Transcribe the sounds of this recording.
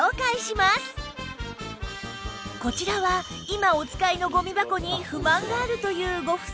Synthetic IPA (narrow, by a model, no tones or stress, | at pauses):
okaiɕimasɨ̥ | ko̞t͡ɕiɾaβa | imao̞t͡sɨ̥kaino̞ɡo̞mʲibako̞ɲ̟iɸɯ̟mãŋɡaːɾɯ̟t̪o̞jɯ̟ːɡo̞ɸɯ̟̥